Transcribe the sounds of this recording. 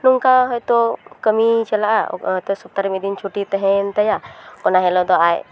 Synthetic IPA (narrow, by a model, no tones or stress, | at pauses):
nuŋkaɦɔjt̪ɔkəmit͡ʃɛlaʔa̰ɦɔjt̪ɔsɔp̚t̪aɾimid̪int͡ʃʰuʈit̪ɛɦɛnt̪ajakɔnaɦɛlɔd̪ɔaj